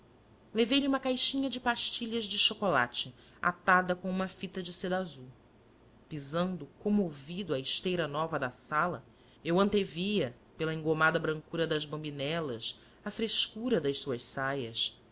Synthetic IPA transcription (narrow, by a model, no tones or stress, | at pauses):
levejʎɪũmɐkajʃĩɲɐd͡ʒɪpaʃt͡ʃiʎɐʒd͡ʒɪʃokola̰t͡ʃɪ | a̰t̪ad̪ɐkõũmɐfit̪ɐd͡ʒɪsed̪azu | pizɐ̃nd̪ʊkõmovid̪ʊɐɪʃt̪ejɾɐnɔvɐd̪ɐsalɐ | ewɐ̃nt̪evijɐ | pelɐẽŋɡomad̪ɐbɾɐ̃ŋkuɾɐd̪ɐzbɐ̃binɛlɐs | ɐfɾeʃkuɾɐd̪ɐssuɐʃsajɐs